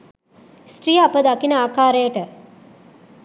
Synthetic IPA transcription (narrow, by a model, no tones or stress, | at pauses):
st̪ɾijəːpəd̪ɐkinəaːkaːɾejəʈə